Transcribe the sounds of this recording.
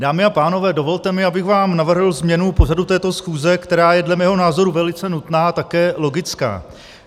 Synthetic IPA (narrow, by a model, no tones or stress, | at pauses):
daːmɪapaːno̞vɛːdo̞vo̞lt̪ɛmɪʔabɪɣvaːmnavr̩ɦlzmɲɛnupo̞r̝adut̪ɛːt̪o̞sxuːzɛkt̪ɛɾaːjɛdlɛmɛːɦo̞naːzo̞ɾuvɛlɪt͡sɛnut̪naːat̪akɛːlo̞ɡɪt͡ska̰ː